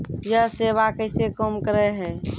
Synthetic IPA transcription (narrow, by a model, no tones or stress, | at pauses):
jəɦseʋakəɪsekəmkəɾɛɦɛː